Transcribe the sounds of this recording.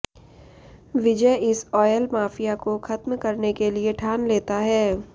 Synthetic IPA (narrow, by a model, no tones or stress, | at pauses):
ʋɪd͡ʒəjɪsɔːjəlmaːfijakoxɐt̪mkɐɾnekelieʈʰaːnleːt̪aɦɛː